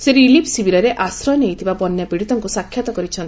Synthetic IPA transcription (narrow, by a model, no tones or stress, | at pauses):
seɾilipʰsibiɾɔɾeʔasɾɔjneɦit̪ʰibabɔnːjapiɽit̪ɔŋkusakʰːjat̪ɔkɔɾit͡ʃʰɔnt̪